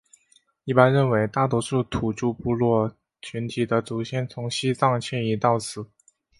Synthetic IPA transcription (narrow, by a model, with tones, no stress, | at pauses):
i˥˩pa˥nɻə˥˩nwe˧˥ɪt̪a˥˩t̪wɔ˥ʂu˥˩t̪ʰu˨˩t͡ɕu˥˧pu˥˧lwɔ˥˩ | t͡ɕʰy˧˥nt̪ʰi˨˩d̪ə˦t͡su˨˩ɕʰjɛ˥˩nt͡sʰʊ˧˥ŋɕi˥t͡sɑ˥˧ŋt͡ɕʰjɛ˥˩ni˧˥t̪ɑ˥˩ʊt͡sʰɹ̩˨˩˦